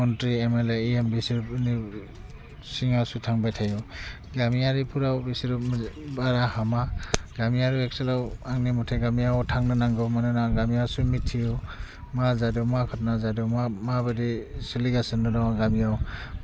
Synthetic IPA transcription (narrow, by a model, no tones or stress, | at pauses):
ɔntɾiemeleiembisiɾupni | siŋasutʰaŋbajtʰaju | ɡamijaɾipʰuɾawbisiɾupmbaɾahamaɡamijaɾuekselawaŋnimɔtʰajɡamijawtʰaŋnɯnaŋɡɯmanɯnaɡamijawsumitʰːijɔ | mazadɯwmakʰɔt̚nazadɯwmamabɯdisiliɡasɯndɯdawaɡamijaw